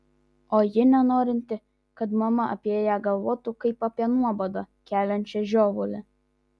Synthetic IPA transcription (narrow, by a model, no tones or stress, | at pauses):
oːjɪnʲɛnoːɾʲɪnʲt̪ʲɪ | kɐt̪mɐmɐɐ̰pʲeːjɛɡɐlˠʋoːt̪ukɐɪpɐpʲiɛnuɔbod̪ɐ | kʲæːlʲɛnʲt͡ʃʲɛʒʲoːʋʊlʲɪ